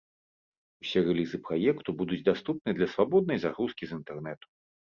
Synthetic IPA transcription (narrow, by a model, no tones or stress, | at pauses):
usʲɛrɛlʲizɨpɾajɛkt̪ubud̪ud͡zʲd̪ast̪up̚nɨd̪lʲɐsvabɔd̪̚nɐjzaɣɾuskʲizint̪ɛrnɛt̪u̥